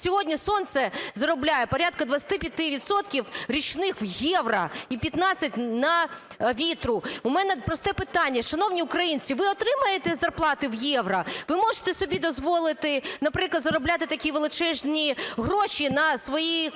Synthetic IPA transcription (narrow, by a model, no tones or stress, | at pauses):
sʲɔɦɔdʲnʲisɔnt̪sɛzɐɾɔblʲajɛpɔɾʲat̪̚kɐd̪ʋɐt͡ssʲɐ̥t̪ɪpʲjɐt̪ɪʋʲid̪sɔt̪kʲiwɾʲit͡ʃnɪxwjɛʋɾɐ̰ipʲjɐt̪nɑt͡sʲːɐtʲnɐʋʲit̪ɾʊumɛnɛpɾɔst̪ɛpɪt̪ɑnʲːɐʃɐnɔwnʲiʊkɾɐjinʲt͡sʲiʋɪɔt̪ɾɪmɐjet̪ɛzɐrplˠɑt̪ɪwjɛʋɾɐʋɪmɔʒɪ̥t̪ɛsɔbʲid̪ɔzʋɔlˠɪt̪ɪnɐpɾɪklˠɐd̪zɐɾɔblʲat̪ɪt̪ɐkʲiʋelˠɪt͡ʃɛʒnʲiɦɾɔʃʲinɐsʋɔji